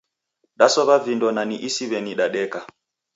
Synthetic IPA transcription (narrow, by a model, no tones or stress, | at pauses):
ɗasɔβavindɔnaniʔisiβɛniɗaɗɛka